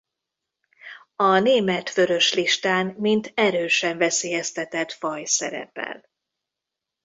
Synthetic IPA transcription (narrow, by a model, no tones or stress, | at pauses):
ɒneːmɛt̪fø̞ɾø̞ʃliʃt̪aːnmint̪ɛɾøːʃɛɱvɛseːjɛst̪ɛt̪ɛt̪fɒjsɛ̰ɾɛ̰pɛ̰l